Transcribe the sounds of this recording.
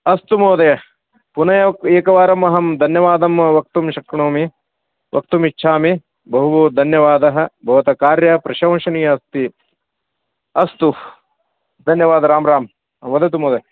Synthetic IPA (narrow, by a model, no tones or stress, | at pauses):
ɐst̪umoːd̪ɐjɐ | punɐjɐkeːkɐʋaːɾɐmɐɦɐmd̪ʱɐnjɐʋaːd̪ɐmʋɐk̚t̪umʃɐkɐɳoːmi | ʋʔɐ̰k̚t̪umitːʃʰaːmi | bɐɦuʋɐd̪ʱɐnjɐʋaːd̪ɐɦɐ̆bʱɐʋɐt̪ɐkaːɾjɐpɾɐʃɐ̃wʃɐniːjɐɐst̪i | ɐst̪u | d̪ʱɐnjɐʋaːd̪ɐɾaːmɾaːm | ʋɐd̪ɐt̪̬umoːd̪ɐ